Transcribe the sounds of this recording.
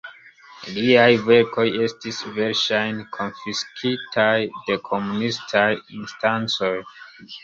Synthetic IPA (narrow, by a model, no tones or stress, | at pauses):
liajveɾko̞je̞stisveɾʃajnkʰo̞nfiskʰitʰajdekʰomunistʰajinstant͡so̞j